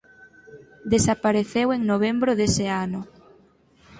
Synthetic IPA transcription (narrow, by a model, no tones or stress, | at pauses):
d̪esapaɾeθeweŋnoβ̞embɾʊðeseanʊ